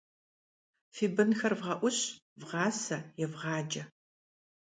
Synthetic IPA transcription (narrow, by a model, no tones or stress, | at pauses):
fiːbɨnxɐrvʁɐʔʷʊɕ | vʁɑːsɐjɛvʁɑːd͡ʒɐ